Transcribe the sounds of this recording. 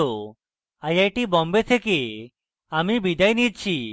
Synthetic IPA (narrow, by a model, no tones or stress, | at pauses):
o | ajajʈibɔmbet̪ʰeke | amibid̪ajnid̚t͡ɕʰi